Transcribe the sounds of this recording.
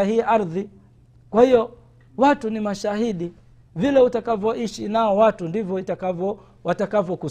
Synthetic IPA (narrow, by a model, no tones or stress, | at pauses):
ahiːʔaɾði | kwahiɔ | watunimaʃahiɗi | vilɛutakavɔʔiʃinaɔwatundivjɔitakavɔ | watakavɔku